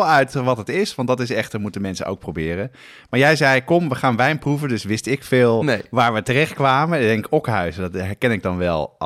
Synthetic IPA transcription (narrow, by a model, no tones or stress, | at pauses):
lˠœɥtʋɑtətɪsʋɑntdɑtɪsɛχtəɹmutəmɛnsə̰nʔo̰wk̚prowbɪːrən | maːɹjɛjzɛjkɔmʋəχaːnʋɛjnpruvədɵsʋɪstɪkfɪːlˠnʋaːɹʋətərɛχt̚kʋaːməndɛŋkɪkɔkɦœɥsədɑtɦɛɹkɛnɪɡ̚dɑnʋɛl̰ˠ